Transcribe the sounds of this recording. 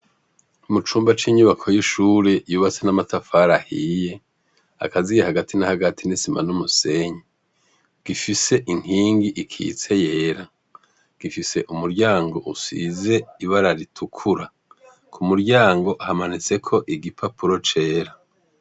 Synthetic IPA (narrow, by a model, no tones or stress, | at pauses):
umut͡ʃuːmbat͡ʃiːɲuβakʰo̞jiʃuːɾe̞juːβat͡se̞namatafaɾahiːje̞ | a̰kazijehaɡatʰinahaɡatʰinisima̰numuse̞ɲi | ɡ̥ifise̞ʔiŋhiːŋɡiʔikʰḭːt͡se̞je̞ːɾa | ɡ̥ifise̞ʔumuɾɟaːŋɡo̞ʔusḭze̞iβaɾaɾitʰukʰuɾa | kʰumuɾɟaːŋɡo̞ʔahamanit͡se̞kʰo̞ʔiɡipʰapuɾo̞t͡ʃe̞ːɾa